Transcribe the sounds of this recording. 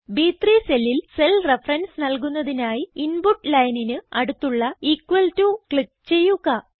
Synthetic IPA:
biːt̪riːselːilse̞lrefɐrɐnsnɐlk̬unːɐðinaːjiinbuʈːlɐjninɨɐɽut̪ːuɭːɐikːʋɐltukɭik̚t͡ɕe̞jːuɣɐ

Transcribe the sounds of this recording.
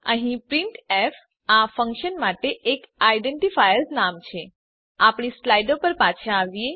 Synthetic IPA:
ə̰ɦĩpɾiɳʈef | afə̃ŋkʃənmaʈeʔːkajɖeɳʈifajəɾsnamt͡ʃʰe | apɳislajɖopəɾpat͡ʃʰãːʋie

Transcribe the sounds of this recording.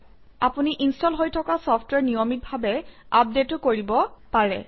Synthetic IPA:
apuniʔinstɔlɦojtʰɔkasɔpʰtwɛɹnijomit̚bʱabɛap̚detʊkoɹibɔpaɹɛ̰

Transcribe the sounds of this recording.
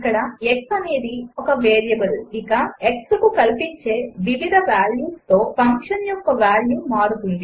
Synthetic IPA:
ɐkːɐɽɐeksɐne̞ːd̪iɔkɐʋeːɾjɐʋɐɾuikɐekskukɐlpiɲt͡ʃe̞ːʋiʋid̪ʱɐʋaːljuːst̪o̞ːpʰɐŋkʂɐnjɔkːɐʋaːljuːmaːɽut̪und̪i

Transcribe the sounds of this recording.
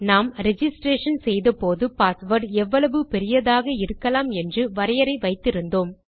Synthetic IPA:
naːmɾɛd͡ʒɪsʈɾeːʂɐnsɛjðɐpoːðɯpaːsʋɐɾɖɛʋːɐɭɐʋɯpɛɾɪjɐðaːɣɐɪɾɯkːɐlaːmɛndrɯʋɐɾɐjɐɾɐɪʋɐɪt̪ːɪɾɯnd̪oːm

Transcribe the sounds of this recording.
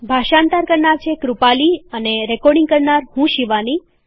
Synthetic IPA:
bʱaʃãnt̪aɾkəɾnaɾt͡ʃʰekɾupaliəneɾɛkɔɾɖĩŋɡkəɾnaɾhũʃiʋani

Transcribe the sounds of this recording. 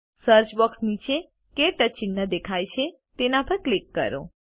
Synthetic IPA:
səɾt͡ʃbəksnit͡ʃʰe | keʈət͡ʃinːəd̪ekʰajt͡ʃʰe | t̪enapəɾklikːə̰ɾo̰

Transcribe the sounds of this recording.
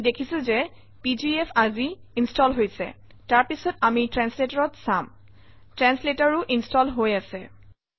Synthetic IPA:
dekʰisũzɛ | pid͡ʒiefʰazi | instɔlɦojsɛ̰ | taɹpisɔtamitɹɛnsletaɹɔtsam | tɹɛnsletaɹʊʔinstɔlɦojasɛ

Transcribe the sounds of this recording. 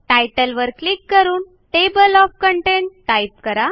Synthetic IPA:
ʈajʈəlʋəɾklikːəɾuːn | ʈebəlɔfkəɳʈeɳʈʈajp̚kəɾa

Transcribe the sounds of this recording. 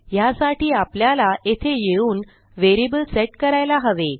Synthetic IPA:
jasaʈiːapljalaet̪ʰejeuːn | ʋeɾibəlseʈkəɾajlaɦəʋe

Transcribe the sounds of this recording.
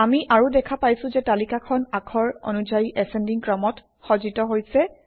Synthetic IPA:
amiʔaɹudɛkʰapajsʊ̃zɛtalikakʰɔnakʰɔɹo̰nuzajiʔɛsɛndiŋkɹɔmɔt | xɔzitɔɦojsɛ

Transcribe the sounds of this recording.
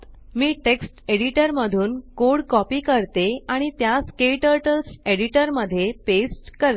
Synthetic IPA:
miːʈeksʈeɽiʈəɾməd̪ʱuːnkoɽkɔpiːkəɾt̪eaɽ̃it̪jaskeʈəɾʈəlseɽiʈəɾməd̪ʱːjepesʈkəɾ

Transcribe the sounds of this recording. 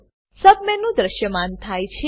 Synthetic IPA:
səb̚menũd̪ɾəʃjəmant̪ʰajt͡ʃʰe

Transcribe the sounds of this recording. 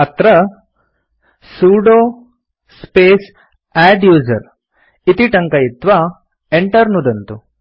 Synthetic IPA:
ɐt̪ɾɐ | suːɖoː | speːs | æːɖjuːd͡ʒɐ̰ɾ | it̪iʈɐŋkɐjit̪ʋa | eɳʈɐɾnud̪ɐnt̪u

